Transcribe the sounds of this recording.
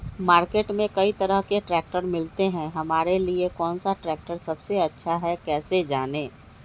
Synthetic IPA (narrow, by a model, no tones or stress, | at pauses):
maːɾkeːʈmẽkɐit̪ɐɾəɦkeʈɾɛːk̚ʈəɾmɪlt̪eɦɛ̃ɦɐmaːɾeliekɔːnsaʈɾɛːk̚ʈəɾsɐbseɐtːʃʰaɦɛkɛːsed͡ʒaːneː